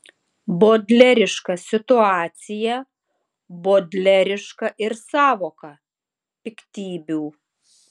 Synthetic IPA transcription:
boːd̪ʲlʲɛɾʲɪʃkɐsʲɪt̪ʊɑːt̪sʲɪjɛ | boːd̪ʲlʲɛɾʲɪʃkɐʔɪɾsɑːʋoːkɐ | pʲɪkʲt̪ʲiːbʲuː

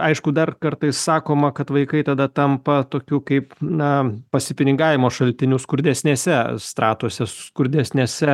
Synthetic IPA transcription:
ɐɪʃkʊd̪ɐrkɐɾt̪ɐɪssɑːkoːmɐkɐt̪ʋɐɪkɐɪt̪ɐd̪ɐt̪ɐmpɐt̪oːkʲuːkɐɪpnɐpɐsʲɪpʲɪnʲɪŋɡɑːʋʲɪmoːʃɐlʲt̪ʲɪnʲuːskʊɾʲd̪ʲɛsʲnʲeːsʲɛst̪ɾɑːt̪uɔsʲɛsʊskʊɾʲd̪ʲɛsʲnʲeːsʲɛ

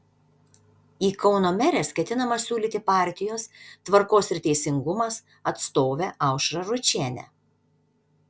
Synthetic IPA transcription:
iːkʰɒʊnoːmʲɛɾʲeːskʲɛt̪ʲɪnɐmɐsʲuːlʲiːt̪ʲɪpɑˑɾʲt̪ʲɪjoːst̪ʋɐɾkoːsɪɾt̪ʲɛɪsʲɪŋɡʊmɐs | ɐt̪st̪oːʋʲeʔɑˑʊʃɾɐɾʊt͡ʃʲeːnʲɛ̰

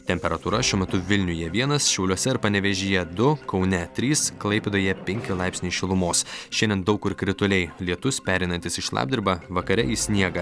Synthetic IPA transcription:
t̪ʲɛmʲpʲɛɾɐt̪uːɾɐʃʲuɔmʲɛt̪ʊʋʲɪlʲnʲʊjɛʋʲiɛnɐsʃʲɛʊlʲuɔsʲɛɪɾpɐnʲɛʋʲɛʒʲijɛd̪ʊkɒʊnʲɛt̪ʲɾʲiːsklˠɐɪpʲed̪ɐjɛpʲɛŋʲkʲɪlˠɑɪpʲsʲnʲiʃʲɪlˠʊmoːsʃʲɛnd̪ʲɛnd̪ɒʊkɪɾkɾʲɪt̪ʊlʲɛɪlʲiɛt̪ʊspʲæːɾʲɛɪnɐnt̪ʲɪsɪʃlˠɑ̰ːb̚ʲd̪ʲɪɾʲbɑʋɐkɐɾʲɛ̰isʲnʲiɛɡɐ

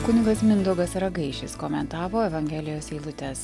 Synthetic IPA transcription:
kʊnʲɪɡɐsmʲɪnd̪ʊɡɐsɾɐɡɐɪʃʲɪskoːmʲɛnt̪ɑːʋoːɛʋɐŋʲɡʲɛlʲɪjoːsiːlˠʊt̪ʲɛs

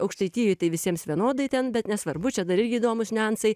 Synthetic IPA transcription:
ɐʊkʃʲt̪ɐɪt̪ʲiːjuɪt̪ɐɪʋʲɪsʲiɛmsʋʲiɛnoːd̪ɐɪt̪ʲɛnbʲɛt̪nʲɛsʋɐɾbʊt͡ʃʲɛd̪ɐɾɪrʲɡʲɪːd̪oːmʊsʲnʲænt̪sɐɪ

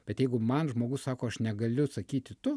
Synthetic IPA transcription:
b̥ʲɛt̪jɛɪɡʊmɐnʒmoːɡʊssɑːkoːɐʃnʲɛɡɐlʲʊsɐkʲiːt̪ʲɪt̪ʊ

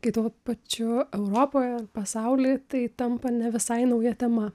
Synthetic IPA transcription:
kɐɪt̪uːpɐt͡ʃʲʊɛʊɾoːpoːjɛɐrpɐsɐʊlʲɪt̪ɐɪt̪ɐmpɐnʲɛʋʲɪsɐɪnɐʊjɛt̪ʲɛmɐ

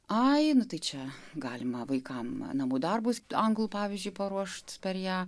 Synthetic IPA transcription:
ɐɪnʊt̪ɐɪt͡ʃʲɛɡɑːlʲɪmɐʋɐɪkɐmnɐmuːd̪ɐrbʊsɐŋɡlˠuːpɑːʋʲiːzʲd͡ʒʲʊɪpɐɾuɔʃt̪pʲɛrjæː

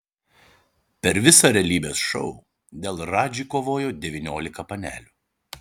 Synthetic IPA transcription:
pʲɛɾʋʲɪsɐɾʲɛlʲiːbʲeːsʃɔʊ | d̪ʲeːlˠɾɑːd͡ʒʲiːkoːʋoːjoːd̪ʲɛʋʲɪnʲoːlʲɪkɐpɐnʲæ̰ːlʲuː

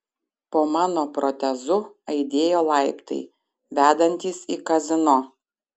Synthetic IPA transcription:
poːmɑːnoːpɾɔt̪ʲɛzʊɐɪd̪ʲeːjoːlˠɑɪpt̪ɐ̰ɪ | ʋʲæːd̪ɐnʲt̪ʲiːsikɐzʲɪno

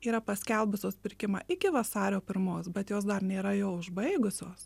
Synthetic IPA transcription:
iːɾɐpɐsʲkʲɛlʲˠbʊsʲoːspʲɪɾʲkʲɪmɑ̰ːʔɪkʲɪʋɐsɑːɾʲoːpʲɪɾmoːsbʲɛt̪joːs̬d̪ɐɾnʲeːɾɐjoːʊʒbɐɪɡʊsʲoːs

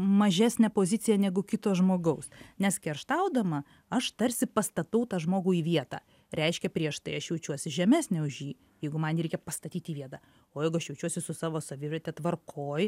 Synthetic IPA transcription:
mɐʒʲæːsʲnʲɛpoːzʲɪt͡s̪ʲɪjɛnʲɛɡʊkʲɪt̪oːsʒmoːɡɐʊsnʲɛskʲɛrʃt̪ɐʊd̪ɐmɐ | ɐʃt̪ɐɾʲsʲɪpɐst̪ɐt̪ɐʊt̪ɑːʒmoːɡuːiːʋʲiɛt̪ɑ̰ː | ɾʲɛɪʃʲkʲɛpʲɾʲiɛʃt̪ɐɪɐʃjɛʊt͡ʃʲuɔsʲɪʒʲɛmʲæːsʲnʲɛʊʒʲjiː | jɛɪɡʊmɐnɾʲɛɪkʲɛpɐst̪ɐt̪ʲiːt̪iːʋʲiɛt̪ɑː | oːjɛɪɡʊɐʃjɛʊt͡ʃʲuɔsʲɪsʊsɑːʋoːsoʋʲɪʋʲɛt̪ʲɛt̪ʋɐrkʰoːj

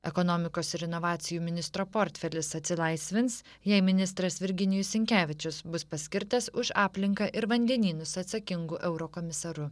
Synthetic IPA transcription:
ɛkonoːmʲɪkoːsɪɾɪnɔʋɑːt̪sʲɪjuːmʲɪnʲɪst̪ɾoːpoːɾʲt̪ʲfʲɛlʲɪsɐt̪ʲsʲɪlˠɐɪsʲʋʲɪns | jɛɪmʲɪnʲɪs̬t̪ɾɐsʋʲɪɾʲɡʲɪnʲɪjʊsʲɪŋʲkʲæːʋʲɪt͡ʃʲʊsbʊspɐsʲkʲɪɾt̪ɐsʊʃɑːpʲlʲɪŋkɐʔɪɾʋɐnʲd̪ʲɛnʲiːnʊsɐt̪sɐkʲɪŋɡuːʔɛʊɾoːkɔːmʲɪsɐɾʊ

